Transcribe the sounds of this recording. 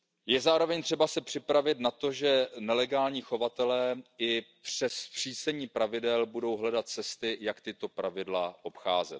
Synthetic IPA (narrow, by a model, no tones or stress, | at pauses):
jɛzaːɾo̞vɛɲt̪r̥ɛbasɛpr̝̥ɪpɾavɪt̪nat̪o̞ʒɛnɛlɛɡaːlɲiːxo̞vat̪ɛlɛːɪpr̥ɛspr̝̥iːsɛɲiːpɾavɪdɛlbudo̞wɦlɛdat̪̚t͡sɛst̪ɪjakt̪ɪt̪o̞pɾavɪdlaʔo̞pxaːzɛ̰t̪̚